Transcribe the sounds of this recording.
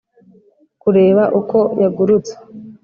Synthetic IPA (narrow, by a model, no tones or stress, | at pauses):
kuɾe̞ːβaʔukʰo̞jaɡuɾut͡se̥